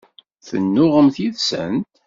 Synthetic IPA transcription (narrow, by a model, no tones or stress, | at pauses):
θə̰nːʊʁəmθiðsə̰nt̪